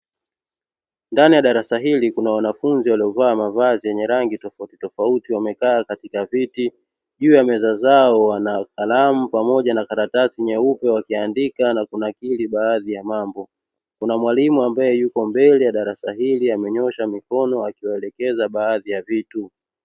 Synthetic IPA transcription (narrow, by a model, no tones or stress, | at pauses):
ndanijaɗaɾasaɦilikunawanafunziwaliɔvaːmavazijɛɲɛɾaŋɡitɔfautitɔfautiwamɛkaːkatikaviti | ʄuːjamɛzazaɔwanakalamupamɔʄanakaɾatasiɲɛupɛwakiandikanakunakiliɓaːðijamambɔ | kunamwalimuambajɛjukɔmbɛlijaɗaɾasaɦiliamɛɲɔʃamikɔnɔakiwaɛlɛkɛzaɓaːðijavitu